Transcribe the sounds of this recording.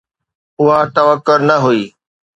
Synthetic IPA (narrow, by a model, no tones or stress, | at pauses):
ʊɦat̪ɐʋəkːʊɾnɐɦʊiː